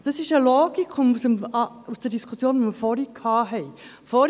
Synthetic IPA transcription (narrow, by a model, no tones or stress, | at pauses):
d̥ɑsɪʃəloːɡ̥ikʊmusəmusd̥ədiskʰusjoːnʋoməfɔɾikʰːɑːɦɛɪ | fɔɾ